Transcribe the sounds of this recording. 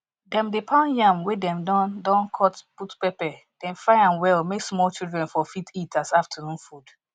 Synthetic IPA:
dɛ̃mdepʰãʊ̃njãmwedɛ̃mdɔ̃ndɔ̃nkʰɔtputpɛpɛ | d̥ɛ̃nfaɪãnwɛlmeksmɔlˠt͡ʃildɹɛ̃nfɔfitʰitʰasaftʰənũnfud

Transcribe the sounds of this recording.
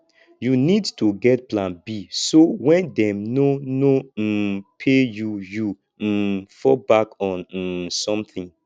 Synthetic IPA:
junidtuɡɛtplãnbisowɛ̃ndɛ̃mnonom̩pʰejuju | fɔbakɔ̃n̩sɔ̃mθĩŋ

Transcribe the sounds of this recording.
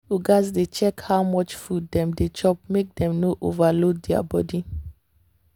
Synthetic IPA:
uɡazdet͡ʃɛkhaʊmɔt͡ʃfud̚ːɛ̃mdet͡ʃɔp̚mek̚dɛ̃mnoʔo̰valodɛa̰bɔdi

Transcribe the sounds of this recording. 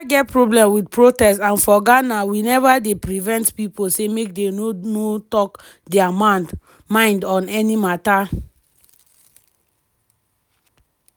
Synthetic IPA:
ɡɛtpɹoblɛ̃mwidpɹotɛstãnfɔɡanawinɛvadepɹivɛ̃ntpiposemek̚denonotɔk | dɛama | mãɪ̃ndɔ̃nɛnimata

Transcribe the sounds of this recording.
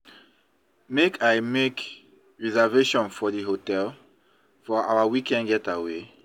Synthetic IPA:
mekʰajmek | ɹizaveʃɔ̃nfɔdiɦotɛl | fɔa̰wawikɛ̃nɡɛtawe

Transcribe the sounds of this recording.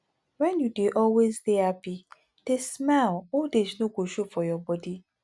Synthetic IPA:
wɛ̃njudeʔɔlwezdeapi | tesmalodesnoɡʷoʃofɔjɔbɔdi

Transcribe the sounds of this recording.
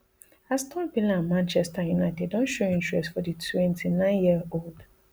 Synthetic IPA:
astʰɔbilĩnãnmãnt͡ʃɛstajunaɪtɛdːɔ̃nʃoĩntɹɛstfɔditwɛ̃ntinãɪ̃njiəold

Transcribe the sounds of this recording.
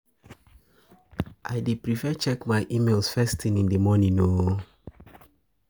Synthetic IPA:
ʔaɪdepɹifɛt͡ʃɛkmaɪʔimelˠsfɛstĩnĩndəmɔnĩno

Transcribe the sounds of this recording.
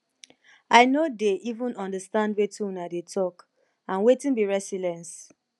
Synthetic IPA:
aɪnodeʔivũnɔ̃ndəstãndwetũnadetʰɔk | ãnwetĩnbiɹɛsilɛ̃ns

